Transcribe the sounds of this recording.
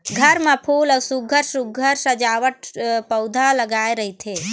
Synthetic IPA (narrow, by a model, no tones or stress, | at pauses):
ɡʱəɾmãpʰuːləwsuɡʱəɾsuɡʱəɾsəd͡ʒaʋəʈpəwd̪ʱaləɡaeɾəɦit̪ʰe